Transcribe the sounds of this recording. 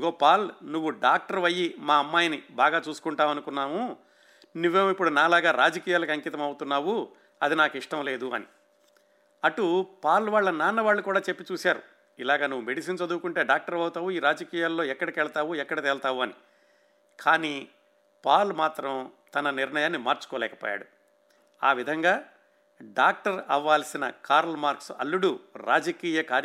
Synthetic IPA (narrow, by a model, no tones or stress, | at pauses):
ɡo̞ːpaːlnuʋːuɖaːk̚ʈɐɾʋɐjːimaːɐmːaːjɐnibaːɡaːt͡ʃuːsu̥kuɳʈaːmɐnukunːaːmu | nuʋːeːmipːuɽunaːlaːɡaːɾaːd͡ʒɐkiːjaːlɐkɐŋkit̪̬ɐmɐwut̪unːaːʋu | ɐd̪inaːkiʂʈɐmle̞ːd̪uɐ̰ni | ɐʈupaːluʋaːɭːɐnaːnːɐʋaːɭːukuːɽaːt͡ʃepːit͡ʃuːsaːɾṵ | ilaːɡaːnuʋːume̞ɽisiːnt͡ʃɐd̪uʋukuɳʈe̞ːɖaːk̚ʈɐɾʋɐwt̪aːʋuiːɾaːd͡ʒɐkiːjaːlːoːɛkːɐɽɐkɛːɭɐt̪aːʋuɛkːɐɽɐt̪ɛːlɐt̪aːʋuɐni | kʰaːniː | paːlumaːt̪ɾɐmt̪ɐnɐniɾɳɐjaːnːimaːɾt͡ʃu̥kɔːlɛːkɐ̥poːja̰ːɽu | aːʋid̪ʱɐŋɡaː | ɖaːk̚ʈɐɾɐʋːaːlsinɐkaːɾɐlmaːɾksɐ̰lːuɽuɾa̰ːd͡ʒɐkiːjɐkaːɾ